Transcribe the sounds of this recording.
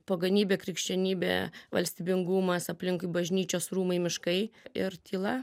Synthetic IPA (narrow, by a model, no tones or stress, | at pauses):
poːɡɐnʲiːbʲeːkɾʲɪkʃʲt͡ʃʲɛnʲiːbʲḛːʋɐ̰lʲsʲt̪ʲiːbʲɪŋɡʊmɐsɐpʲlʲɪŋkʊɪbɐʒʲnʲiːt͡ʃʲoːsruːmɐɪmʲɪʃkɐɪɪɾt̪ʲiːlˠɐ